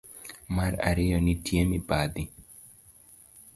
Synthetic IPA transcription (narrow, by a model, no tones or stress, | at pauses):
maɾa̰ɾɪjɔnitjemibad̪i